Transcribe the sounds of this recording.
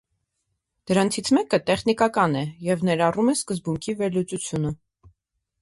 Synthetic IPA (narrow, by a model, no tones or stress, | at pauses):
d̪̥əɾɑnt͡sʰit͡sʰmɛkət̪ɛχnikɑkɑnɛjɛvnɛɾɑrumɛskəzbuŋkʰivɛɾlut͡sut͡sʰjunə